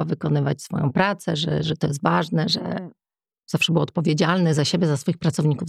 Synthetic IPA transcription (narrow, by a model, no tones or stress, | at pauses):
avɘkɔnɘva̰t͡ɕsfɔ̰jɔ̰̃w̃pɾat̪sɛʐɛ̰ʐɛt̪ɔjɛst̪vaʐnɛʐɛ̰ | z̥afʂɛbɘwɔt̪̚pɔvʲjed͡ʑalnɘzaɕebʲjɛzasfɔjixpɾat̪sɔvɲikuv